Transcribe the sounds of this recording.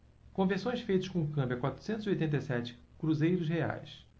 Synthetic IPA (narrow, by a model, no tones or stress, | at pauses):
kõveɾsõj̃sfejt̪ʊ̥ʃkõkɐ̃mbjɐkwat̪ɾu̥sẽnt̪ziojt̪ẽnt̪̬ejsɛt͡ʃɪ̥kɾuzejɾʊzhea̰js